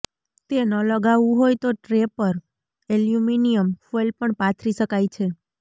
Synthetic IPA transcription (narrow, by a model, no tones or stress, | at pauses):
t̪enələɡaʋũɦojt̪oʈɾepəɾ | eljuminijəmfolpəɳpat̪ʰɾiʃəkajt͡ʃʰe